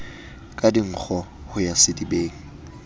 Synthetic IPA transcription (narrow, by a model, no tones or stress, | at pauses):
kʼadiŋ̩k͡xʰɔ | hʊjasɪdibeːŋ̩